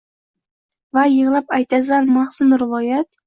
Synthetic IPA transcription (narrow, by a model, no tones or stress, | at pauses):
vajɨʁlˠapajt̪ʰazanmaχsʊnɾɪvɒjat̪̚